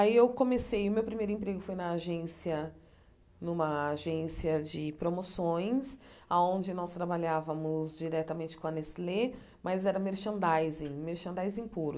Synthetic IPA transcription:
aiewkõmesejʊmewpɾimejɾʊẽpɾeɡʊfojnɐːʒẽsiɐ | nũmɐːʒẽsiɐd͡ʒɪpɾomosõj̃saõnd͡ʒɪnɔst̪ɾabaʎavɐmʊzd͡ʒiɾɛt̪ɐmẽnt͡ʃɪ̥kõɐnɛsle | mɐzɛɾɐmeɾʃɐ̃nd̪ajzẽmeɾʃɐ̃nd̪ajzẽpuɾʊ

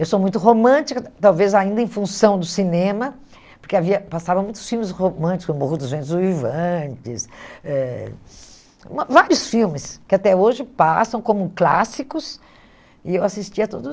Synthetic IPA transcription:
ewsomũj̃t̪ʊɦomɐ̃t͡ʃikɐt̪awvezaĩnd̪ɐẽj̃fũsɐ̃w̃d̪ʊsinẽmɐ | poɾkeaviɐpasavɐ̃mũj̃t̪ʊ̥sfiwmɪshomɐ̃t͡ʃi̥kmohud̪ʊzvẽnt̪ɪzuvivɐ̃t͡ʃɪsɛ | mvaɾjʊsfiwmɪskɪat̪ɛoʒɪpasɐ̃w̃kõmʊkla̰sikʊs | ɪewasist͡ʃiɐt̪o̰d̪ʊ

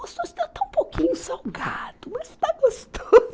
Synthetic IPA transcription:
ost̪õst̪at̪ɐ̃ũpokʲĩɲʊsawɡad̪̥ʊmɐst̪aɡost̪o

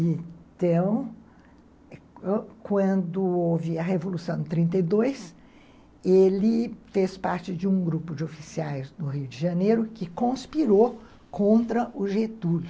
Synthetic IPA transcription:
ẽt̪ɐ̃w̃ | kwɐ̃nd̪ʊovɪɐɦevolusɐ̃w̃nʊt̪ɾĩnt̪̬ejd̪ojs | elɪfespaɾt͡ʃɪd͡ʒɪũɡɾupʊd͡ʒɪofisiajznʊɦiʊd͡ʒɪʒɐ̃nejɾʊkɪkõspiɾo | kõnt̪ɾɐʔʊʒet̪ulʊ

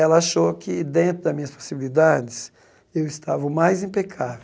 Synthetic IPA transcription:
ɛlɐaʃokɪd̪ẽnt̪ɾʊd̪ɐzmĩɲɐspo̥sibilid̪ad͡ʒɪs | ewɪst̪avɐmajzĩpekʰave

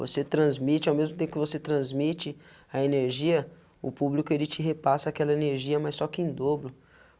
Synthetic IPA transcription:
vo̰set̪ɾɐ̃zmit͡ʃɪawmezmʊt̪ẽpʊkʲɪvoset̪ɾɐ̃zmit͡ʃɪ | ɐeneɾʒiɐ | ʊ̰publikʊelɪt͡ʃɪɦepasɐakɛlɐeneɾʒiɐmajsːɔkɪẽj̃d̪oblʊ

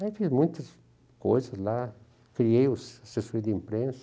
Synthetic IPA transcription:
ajfizmũjt̪as | kojsasla | kɾieussesoɾid̪eimpɾensa

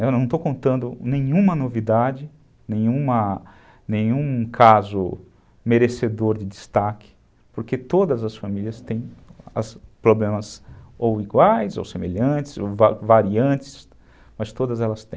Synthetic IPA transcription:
ewnɐ̃w̃t̪owkõnt̪ɐ̃nd̪ʊnẽɲũmɐnovid̪ad͡ʒɪ | nẽj̃ũmɐ | nẽɲũkʰazʊ | meɾesed̪oɾd͡ʒɪd͡ʒist̪akɪ̥ | poɾket̪od̪ɐzɐsfamiliɐst̪ẽj̃ɐ̰spɾoblẽmɐsowiɡwajzo̰wsemeʎɐ̃nt͡ʃɪ̥zowvavaɾiɐ̃t͡ʃɪ̥s | mɐst̪od̪ɐzɛlɐst̪ẽj̃

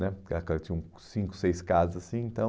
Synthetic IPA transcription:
nɛkakɛlɐtt͡ʃĩɲũ | sĩkʊ̥sejskazɐzasĩẽnt̪ɐ̃w̃

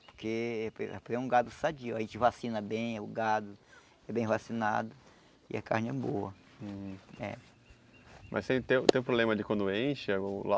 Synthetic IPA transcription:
po̥ɾkeɛppɛ̃ũɡad̪ʊsad͡ʒiʊaɐʒẽnt͡ʃɪvasĩnɐbẽj̃ʊɡad̪ʊ | ɛbẽj̃vasina̰d̪ʊ | ɪ̰a̰ka̰ɾnɪɛboɐ̃ | ɛ̰ | mʔɐ̰st̪ẽj̃t̪ẽũt̪ẽũpɾoblẽmɐd͡ʒɪkwɐ̃nd̪ʊẽʃɐola

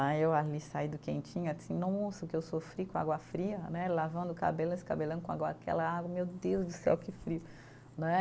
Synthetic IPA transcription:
ajewalisaid̪ʊkẽnt͡ʃĩɲʊasĩnɐ̃w̃mõsɾʊkɪewsofɾikõa̰ɡwɐfɾiɐnɛlavɐ̃nd̪ʊka̰belʊnesɪ̥kabelɐ̃d̪kõa̰ɡwɐakɛ̰lɐaɡwɐmewd̪ewzd̪ʊsɛ̰wkɪfɾiʊ | ñɛ

